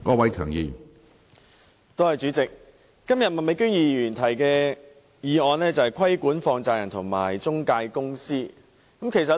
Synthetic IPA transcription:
kɔː˨˧wɐ˨˥jkʰœː˨˩ŋjiː˨m | t̪o˥whɐ˨jt͡ʃyː˨˥t͡sɪ˨k̚ː | ɐ˥mjɐ˨t̚mɐ˨nme˨˧jkyː˥ŋjiː˨jyː˨˩nt̪ʰɐ˨˩jkɛː˧ | jiː˨˧ɔː˨˧nlɛː˥t͡sɐ˨whɐ˨jkʰɐ˥jkuː˨˥nfɔː˧ŋt͡saː˨jɐ˨˩nt̪ʰʊ˨˩ŋmaː˨˩jt͡sʊ˥ŋkaː˧jkʊ˥ŋsiː˥ | kɐ˨˦˥mkʰe˨˩s̬ɐ˨t

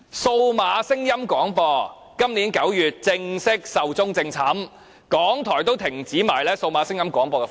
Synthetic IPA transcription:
so˧wmaː˨˧sɪ˥ŋjɐ˥mkʷɔː˨˥ŋpɔː˧ | kɐ˥mniː˨˥nkɐ˨˥wjyː˨t̚t͡sɪ˧ŋsɪ˥k̚sɐ˨wt͡sʊ˥ŋt͡sɪ˧ŋt͡sʰɐ˨˥m | kɔː˨˥ŋt̪ʰɔː˨˩jt̪o˥wt̪ʰɪ˨˩ŋt͡siː˨˥maː˨˩jlɛː˥so˧wmaː˨˧˥sɪ˥ŋjɐ˥mkʷɔː˨˥ŋpɔː˧kɛ˧

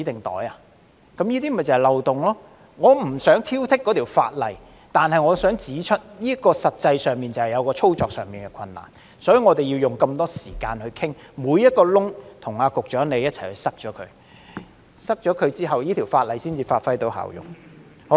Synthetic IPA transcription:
t͡siː˨˥t̪ɪ˨˩ŋt̪ɔ̰ː˨˥ja˨˧ | kɐ˨˥mjiː˥t̪̬iː˥m˨˩t͡sɐ˨˩hjlɐ˨wt̪ʊ˨ŋlɔː˥ | ŋɔː˨˧m̩˨˩sœː˨˥ŋt̪ʰiː˥wt̪ʰɪ˥kːɔː˨˧t̪ʰi˨˩wfa̰ː˧t̚lɐ˨j | t̪aː˨nhɐ˨jŋɔː˨˧sœː˨˥ŋt͡siː˨˥t͡ʃʰɵ˥t̚jiː˥kɔː˧sɐ˨t̚t͡sɐ˧jsœː˨ŋmiː˨˩nt͡sɐ˨˩hɐ˨jɐ˨˧wkɔː˧t͡ʃʰo˥wt͡sɔː˨k̚sœ̰ː˨ŋmiː˨nkɛ˧kʰɐ˧nːa̰ː˨˩n | sɔː˨˥jy˨˧ŋɔː˨˧t̪e˨ji˧wjʊ˨ŋkɐ˧mt̪ɔː˥siː˨˩kaː˧nhɵ˧ɥkʰɪ˥ŋ | muː˨˧jɐ˥t̚kɔː˧lʊ˥ŋt̪ʰʊ˨˩ŋaː˧kʊ˨k̚t͡ʃœː˨˥ŋle˨˧jɐ˥t̚t͡sʰɐ˨˩jhɵ˧ɥsɐ˥k̚t͡ʃɔː˨˥kʰɵ̰˨˧ɥ | sɐ˥k̚t͡ʃɔː˨˥kʰɵ˨˧ɥt͡siː˥ɦɐ˨wjiː˥t̪ʰi˨˩wfaː˧t̚lɐ˨jsiː˥nt͡siː˨faː˧t̚fɐ˥jt̪o˨˥wha̰ː˨˩wjʊ̰˨˩ŋ | h

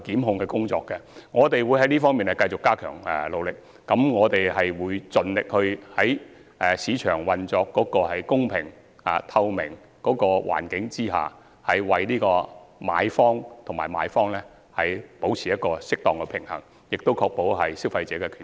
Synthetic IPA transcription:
kiː˨˥mɦʊ˧ŋkɛ˧kʊ˥ŋt͡sɔ̰ː˧kːɛ˧ŋɔː˨˧t̪e˨jwu˨˧jhɐ˨˥jliː˥fɔː˥ŋmiː˨nɛ˨jkɐ˧jt͡sʊ˨kːaː˥kʰœː˨˩ŋɛ̰˨lo˨˧wlɪ˨k̚ːɐ˨˥mŋɔː˨˧t̪e˨jhɐ˨jwuː˨˧jt͡sɵ˨nlɪ˨k̚hɵ˧hɐ˨˥jʔsiː˨˧t͡ʃʰœː˨˩ŋwɐ˨nt͡sɔː˧kːɔː˨˥kɔː˧hɐ˨jkʊ˥ŋpʰɪ˨˩ŋ | a̰ː˨t̪ʰɐ˧wmɪ˨˩ŋ | kɔː˨˥kɔː˧wʔa̰ː˨˩nkɪ˨˥ŋt͡siː˥ɦa̰ː˨ | hɐ˨jwɐ˨jliː˥kɔː˧ma̰ː˨˧jfɔː˥ŋt̪ʰʊ˨˩ŋmaː˨˩maː˨˧jfɔː˥ŋlɛː˥ | hɐ˨jpo˨˥wt͡sʰiː˨˩jɐ˥t̚kɔː˧sɪ˥k̚t̪ɔː˨ŋkɛ˧pʰɪ˨˩ŋhɐ̰˨˩ŋ | jɪ˨k̚t̪o˥wkʰɔː˧k̚po˨˧˥wɦɐ˨jsiː˥wfɐ˧jt͡sɛː˨˥kɛ˧kʰyː˨˩

